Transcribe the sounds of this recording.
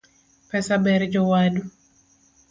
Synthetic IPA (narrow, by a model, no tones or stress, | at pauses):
pɛsabɛɾd͡ʒɔwadu